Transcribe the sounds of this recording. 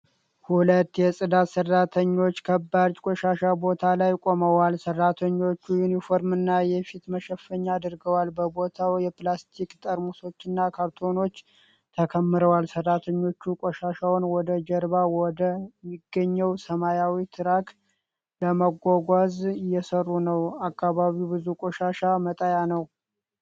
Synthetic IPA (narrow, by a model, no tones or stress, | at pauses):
hulət̪ːjɛsʼɨd̪at̪sərːat̪ʰəɲːo̞t͡ʃːkʰəbːad͡ʒkʼoʃaʃabo̞t̪ʰalajkʼo̞məwalsərːat̪ʰəɲːo̞t͡ʃːujunifo̞ɾmɨnːajɛfit̪məʃəfːəɲːaːd̪ɨɾɡəwalbəbo̞t̪ʰawjɛplast̪ʰikt̪ʼəɾmuso̞t͡ʃːɨnːakʰaɾt̪ʰo̞no̞t͡ʃː | t̪ʰəkʰəmːɨɾəwalsɨrːat̪ʰəɲːo̞t͡ʃːukʼoʃaʃawnwɔd̪əd͡ʒəɾβawɔd̪əmːiɡːəɲːəwsəmajawit̪ʰɨɾakʰ | ləməɡʷaɡʷazɪjːɛsərːunəwakʰːaβaβiwbɨzukʼoʃaʃamət̪ʼəjanəw